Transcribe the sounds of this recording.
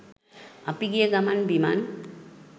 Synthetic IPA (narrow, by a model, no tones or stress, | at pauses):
apiɡijəɡamanbima̰n